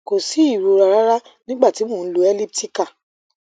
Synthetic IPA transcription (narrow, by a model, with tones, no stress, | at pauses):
ko˨si˨˦i˦˨ɾo˧ɾa˧ɾa˦ɾa˦nĩ˦ɡ͡ba˦˨ti˨˦mõ˦˨n̩˦lu˧˦ɛ˦li˦p̚ti˦ka˦˨